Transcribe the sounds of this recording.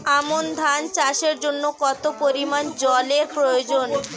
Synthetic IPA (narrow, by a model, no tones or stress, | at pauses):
amond̪ʱant͡ɕaʃeɾd͡ʑonːokɔt̪opoɾimand͡ʑɔleɾpɾojod͡ʑon